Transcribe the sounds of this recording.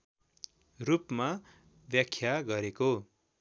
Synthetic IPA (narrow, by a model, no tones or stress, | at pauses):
rupma | bjakʰːjaɡʌɾeko